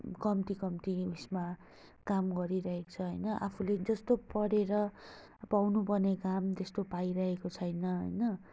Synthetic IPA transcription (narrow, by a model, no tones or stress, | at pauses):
kʌmt̪ikʌmt̪iusma | kamɡʌɾiɾʌɦekt͡sʰʌɦʌjnʌʔa̰pʰuled͡zʌst̪opʌɽeɾʌ | pawnupʌrnekamt̪est̪opaiɾʌɦekot͡sʰʌjnʌɦʌ̰jnʌ